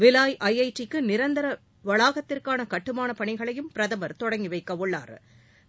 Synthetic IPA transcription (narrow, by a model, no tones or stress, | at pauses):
ʋɪlaːjʔɐjɐɪʈrɪkːɯnɪɾɐnd̪ɐɾɐ | ʋɐɭaːɣɐt̪ːɪrkaːnɐkɐʈːɯmaːnɐpɐɳɪɣɐɭɐjɯmpɪɾɐðɐmɐɾt̪ɔɽɐŋɡɪʋɐɪkːɐʋʊɭːa̰ːɾ